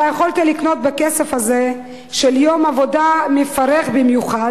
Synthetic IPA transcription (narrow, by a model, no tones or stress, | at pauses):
ajeχo̞lt̪ilikno̞t̪̚bekesefhaze | ʃeljo̞mavo̞damefaʁeχbimjuχad